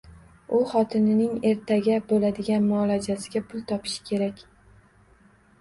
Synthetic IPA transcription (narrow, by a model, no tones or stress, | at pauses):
ʊχɒt̪ʰɪnɪnɪŋe̞ɾt̪ʰaɡʲabolad̪ɪɡʲanmʊɒlad͡ʒasɪɡʲapʰʊlˠt̪ʰɒpʰɪ̥ʃɪ̥kʲʰe̞ɾakʲ